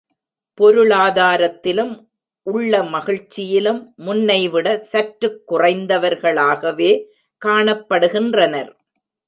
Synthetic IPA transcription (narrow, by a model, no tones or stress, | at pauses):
pɔɾɯɭaːðaːɾɐt̪ːɪlɯm | ʔʊɭːɐmɐɣɪɻt͡ʃːɪjɪlɯmːʊnːɐɪʋɪɽɐsɐʈɾɯkːʊrɐɪnd̪ɐʋɐɾɣɐɭaːɣɐʋeː | kaːɳɐpːɐɽɯɣɪndrɐnɐɾ